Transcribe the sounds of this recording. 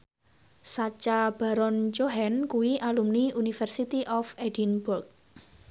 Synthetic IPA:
sat͡ʃab̥aɾɔnt͡ʃoɦɛnkuwiʔalumniunifɛrsit̪iʔɔfedinburk̚

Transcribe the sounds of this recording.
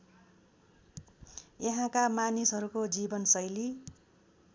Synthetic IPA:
jʌɦãkamanisɦʌɾukod͡zibʌnsʌjli

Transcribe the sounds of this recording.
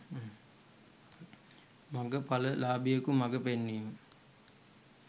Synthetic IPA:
maɡəpaləlaːbijəkumaɡəpenːiːmə

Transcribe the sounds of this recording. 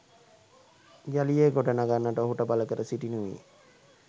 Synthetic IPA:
ɡalijeɡoɖənaɡanːəʈəoɦuʈəbaləkəɾəsiʈinuʋḭː

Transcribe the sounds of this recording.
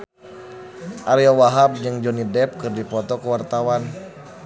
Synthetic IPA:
ʔaɾiɔwaɦab̚d͡ʒɨŋd͡ʒɔnidɛp̚kɨrdipɔt̪ɔkəwart̪awan

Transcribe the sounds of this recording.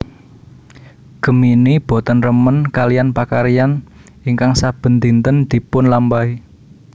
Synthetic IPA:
ɡ̥ə̤minib̥ɔ̤t̪ənrəmənkalijanpakaɾijan | iŋkaŋsab̥ə̤nt̪int̪ənd̪̥i̤pʊnlambai

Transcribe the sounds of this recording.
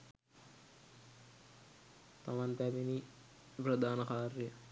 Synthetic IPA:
t̪aʋant̪æbini | prəd̪aːnəkaːrjə

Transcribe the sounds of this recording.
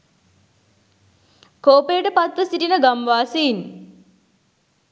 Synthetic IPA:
koːpejʈəpat̪ʋəsiʈinəɡamʋaːsein

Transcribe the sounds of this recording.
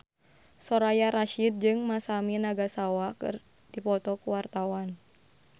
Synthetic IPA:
sɔɾajaɾaʃid̪̚d͡ʒɨŋmasaminaɡasawakɨ̰r | d̥ipɔt̪ɔkuwart̪awan

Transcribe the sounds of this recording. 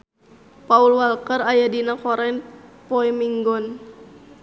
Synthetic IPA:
paulwalkərajadinakɔɾɛnpɔɛmiŋɡɔn

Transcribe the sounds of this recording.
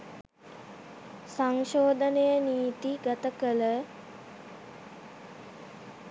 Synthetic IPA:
saŋʃoːd̪ənejəniːt̪iɡat̪əkələ

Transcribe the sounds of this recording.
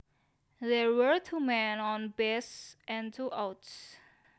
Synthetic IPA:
ðɛwəɹtʰumɛ̃nɔ̃nbɛsʔɛ̃ntʰuʔaʊts

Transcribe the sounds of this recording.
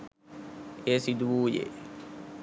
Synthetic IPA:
esid̪uʋuːjḛ

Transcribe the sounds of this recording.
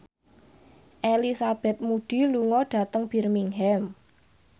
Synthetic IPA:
ʔelisab̥ɛ̤t̪̚muɖ̥i̤luŋɔɖ̥ä̤t̪əŋb̥i̤rmiŋɦɛm

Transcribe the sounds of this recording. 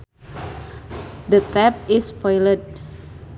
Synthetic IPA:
d̪ət̪ɛp̚ispɔjlət̪̚

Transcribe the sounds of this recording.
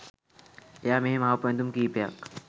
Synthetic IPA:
jaːmeemaɦapẽnd̪umkiːpja̰k

